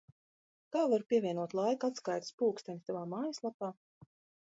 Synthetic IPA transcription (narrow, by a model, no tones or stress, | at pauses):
kaːvaɾpʲiɛvʲiɛnuɔt̪lˠajkat̪skajt̪spuːkst̪aɲʲist̪avaːmaːjaslˠapaː